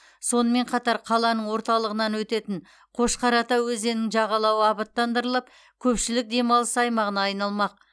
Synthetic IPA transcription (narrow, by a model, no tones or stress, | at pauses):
so̞nəme̞ɴqʰɑt̪ɑɾqʰɑlˠɑnəɴwo̞ɾt̪ɑlˠəʁənɑnwɵt̪e̞t̪ɪɴ | qʰo̞ʃqɑɾɑt̪ɑwɵzenɪŋʒɑʁɑlˠɑwəɑbət̪ːɑnd̪əɾəlˠəp̚ | kʲʰɵpʃɪlɪk̚d̪e̞mɑlˠəsɑjmɑʁənɑːjnɑlˠmɑq̚